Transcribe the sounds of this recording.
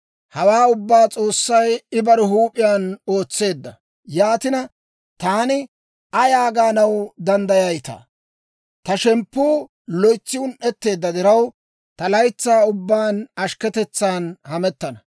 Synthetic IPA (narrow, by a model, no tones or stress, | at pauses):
hɐwaːʊbːaːt͡sʼo̞ːsːɐjɪbɐɾʊɦuːpʼɪjaːno̞ːt͡sːe̞ːd̪ːɐ | jaːt̪ɪnɐ | t̪aːnɪ | ɐjaːɡaːnɐwd̪ɐnd̪ɐjɐjt̪a̰ː | t̪ɐʃɛmpːuː | lɔjt͡sːɪwʊnʔɛt̪ːe̞ːd̪ːɐd̪ɪɾɐw | t̪ɐlɐjt͡sːaːʊbːaːnɐʃkɛt̪ɛt͡sːaːnhɐmɛt̪ːɐnɐ